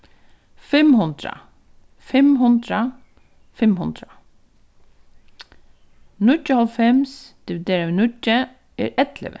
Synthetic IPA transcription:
fɛmhʊnd̪ɾa̰ | fɛmɦʊnt̪ɾa | fɪmhʊnd̪ɾa | nʊtːəhɔlfɛmsd̪̥ɪʋɪd̪eːɾaʋinʊtːə | ɛɾɛt̪lɪ̰ʋɪ̰

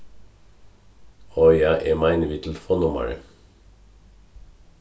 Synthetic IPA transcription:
ɔʏjæɪʔemæɪnʋɪt̪l̩fɔnʊmə̰ɹə̰

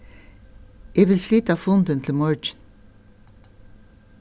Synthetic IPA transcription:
jʔeʋɪlfliːt̪ɑfʊnd̪ənt̪ʰl̩mɔɹd͡ʒən

